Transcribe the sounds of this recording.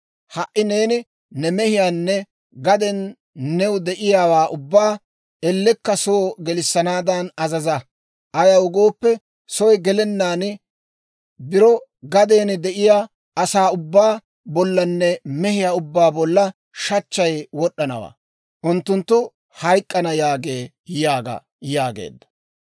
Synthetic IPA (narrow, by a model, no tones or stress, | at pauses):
hɐʔːɪneːnɪ | nɛmɛhɪjaːnːɛ | ɡɐd̪ɛnː | ɛwʊd̪ɛʔɪjaːwaːʔʊbːaː | ɛlːɛkːɐsoːɡɛlɪsːɐnaːd̪ɐnɐzɐzɐ | ʔɐjɐwʊɡo̞ːpːɛ | sɔjɡɛlɛnːaːn | bɪɾɔɡɐd̪eːnɪd̪ɛʔɪjaː | ɐsaːʊbːaː | bɔlːɐnːɛmɛhɪjaːʊbːaːbɔlːɐ | ʃɐt͡ʃːɐjwɔɗːɐnɐ̰wa̰ː | ʔʊnt̪ːʊnt̪ːʊ | hɐjkʼːɐnɐjaːɡeː | jaːɡɐ̰ | jaːɡḛːd̪ːɐ̥